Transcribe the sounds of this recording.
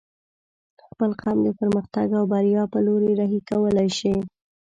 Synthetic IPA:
xpəlqɑmd̪əpəɾməxt̪aɡawbaɾjɑpəloɾeɾaɦikawəlajʃi

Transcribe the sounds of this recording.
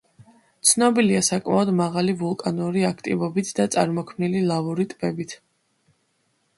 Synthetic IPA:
t̪sʰnɔbiliasakʼmaɔd̪maʁalivulˠkʼanuɾiakʰt̪ʼḭvɔbit̪ʰd̪at̪sʼaɾmɔkʰmnililˠavuɾit̪ʼbɛbit̪ʰ

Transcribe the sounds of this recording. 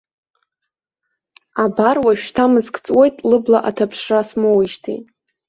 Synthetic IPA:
abarwaʃᶣtʰamɨzkʰʼt͡sʼwe̞jtʼlɨblaʔatʰapʰʂrasmɨwiʃtʰḭ

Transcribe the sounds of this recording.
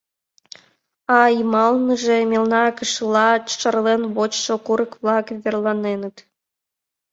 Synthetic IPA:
ɑimɑlnəʒĕmʲelnɑkəʃlˠɑʃərlenβot͡ɕʃokuɾə̆kβlˠɑkβʲerlˠɑnenə̆t̪

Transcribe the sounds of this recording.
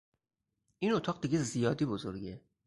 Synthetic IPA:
ʔinot̪ʰɒːʁd̪iɟezijɒːd̪iːbozo̞ɾɟe̞

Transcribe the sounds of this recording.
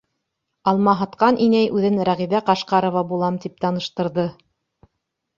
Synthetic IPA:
ɑlˠmɑɦɑt̪qɑnʔinæjʔʉðɘnɾæʁiβæqɑʃqɑɾŏvɑbulˠɑmt̪ip̚t̪ɑnɤ̆ʃt̪ɤ̆ɾðɤ

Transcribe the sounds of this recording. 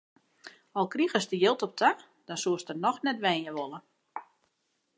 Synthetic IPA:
ɔlˠkriɣəsdəjɪlˠtɔp̚tʰa | d̥ɔnsuəstərnɔxnɛtʋɛːnjəʋolˠə

